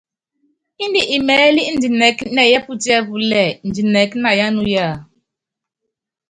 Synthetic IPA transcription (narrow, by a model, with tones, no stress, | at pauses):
i˦n˦di˨ʔi˨mɛ˨˦li˦n̩˨di˨nɛ˨˦knɛ˨jɛ˦pu˦tɛ˦bu˨lɛ˨n̩˨d͡ʒi˨nɛ˨kna˨ja˦nu˦ja˦˨